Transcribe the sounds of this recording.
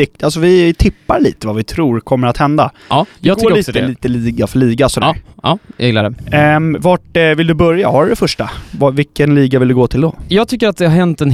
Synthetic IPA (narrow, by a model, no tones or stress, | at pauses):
ɪk̪alsɔvɪt̪ʰɪpːaɾɭḭːt̪əvavɪt̪ʰɾuːɾkʰɔmːəɾat̪hɛnd̪aj̪ɛɡɡɾːiːsəliːt̪əliːɡafœɭiːɡasɔd̪æ̰ɾʔeːɡladɛvaʈvɪld̪ɵbœɾjahaɖɾɛfœʂʈavavɪkːənliːɡavɪld̪ɵɡoːt̪ʰɪld̪ɔjɑːɡt̪ʰʏkːəɾat̪̚d̪ɛhaɦɛnt̪ɛn